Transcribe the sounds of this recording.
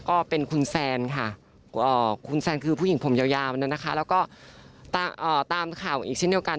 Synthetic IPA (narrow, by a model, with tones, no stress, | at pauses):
kɔː˥˩pe˧nkʰu˧nsɛː˧nkʰa˥˩ | ʔɤː˨˩kʰu˧nsɛː˧nkʰɯː˧pʰu˥˩ji˨˩˦ŋpʰo˩˦mjaː˧wjaː˧a˧nɯː˦˥˩nːa˦˥kʰa˦˥lɛː˦˥wkɔː˥˩t̪aː˧ʔəː˨˩t̪aː˧mkʰaː˨˩wʔiː˨˩k̚se˥˩di˧ə˧wka˧n